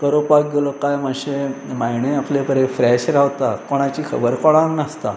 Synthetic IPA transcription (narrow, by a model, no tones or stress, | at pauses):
kəɾopak̚ɡelokajməɕemajɳẽaplepəɾefɾɛɕɾawt̪akoɽ̃at͡ɕiːkʰəbəɾkɔɽ̃ãŋknəst̪a̰